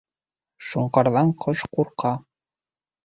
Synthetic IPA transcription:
ʃuɴqɑɾðɑɴqʰɤʃquɾqɑ

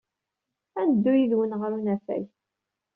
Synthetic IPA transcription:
ænəd̪ːujiðwənʁəɾunæfæ̰j

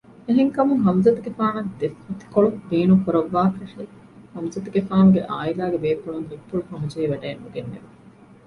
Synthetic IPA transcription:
eɦeŋkɐmuŋɦɐmzɐt̪uɡefaːnɐd̪efmɐt̪i̥koɭubiːnukuɾɐʋːaːkɐʂɐi | hɐmzɐt̪uɡefaːnuɡeʔaːilaːɡebeːpːuɭuŋɦipːuɭufɐɦud͡ʒɐiʋɐɖeːnːuɡenːḛʋe

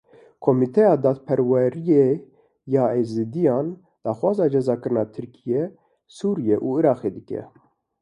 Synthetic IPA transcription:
kʰomit̪ʰɛjɑːd̪ɑːt̪̚pʰɛɾwɛɾije | jɑːezɨd̪ijɑːn | d̪̥ɑːxwɑːzɑːd͡ʒɛzɑːkɨɾnɑːt̪ʰɨɾkʰijɛ | suːɾijɛʔuːɨɾɑːqeːd̪ɨkɛ̰

